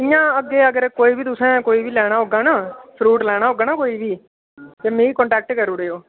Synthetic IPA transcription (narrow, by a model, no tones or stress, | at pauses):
ɪjãːəɡːeːəɡəɾkoːiːbiːt̪ʊsɛ̃ːkoːiːbiːlɛːɽ̃aːɦoːɡaːnaːsʰɾuːʈlɛːɽ̃aːɦoːɡaːnaːkoːiːʋiː | t̪eːmẽːikɔ̃ɳʈɛːk̚ʈkəɾuːɽeːoː